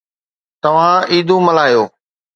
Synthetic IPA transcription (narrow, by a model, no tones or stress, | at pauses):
t̪ɐʋ̤ãːiːd̪ʱũːməlaːjoː